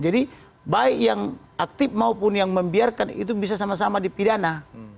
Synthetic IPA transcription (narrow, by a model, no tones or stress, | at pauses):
d͡ʒadi | baikjaŋ | ak̚t̪ip̚maupʊnjaŋməmbiarkanḭt̪̬ubis̬asamas̬amadipidana